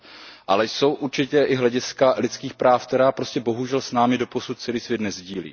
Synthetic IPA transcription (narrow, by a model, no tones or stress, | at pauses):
ʔalɛjso̞wʔuɾt͡ʃɪcɛʔɪɦlɛɟɪskalɪt̪t͡skiːxpɾaːfkt̪ɛɾaːpɾo̞scɛbo̞ɦuʒɛlsnaːmɪdo̞po̞sut̪̚t͡sɛliːsvjɛt̪nɛzɟiːlḭː